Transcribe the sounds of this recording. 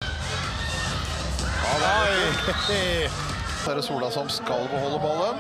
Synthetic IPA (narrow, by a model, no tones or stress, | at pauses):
sæɾəsuːlɑsɔmskɑlbəhɔlːəmolə